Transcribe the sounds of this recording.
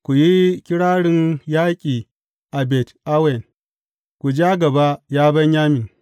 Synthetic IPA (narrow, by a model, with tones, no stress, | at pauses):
kʷu˨ji˦kʲɪ˦ɽaː˦ɽɪ˦njaː˦kʲʼiː˨ | ʔa˨bɛ˨tʔa˦wɛ˨n | kʷu˨d͡ʒa˦ɡɐ˨ba˦jaː˦bɐ˦ɲjaː˦mɪ˨ŋ